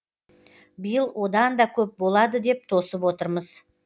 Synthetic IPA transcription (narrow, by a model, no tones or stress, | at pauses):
bəjəlˠwʔo̞d̪ɑnd̪ɑkʲʰɵp̚bo̞lˠɑd̪əd̪e̞p̚t̪ʰo̞səpwo̞t̪əɾməz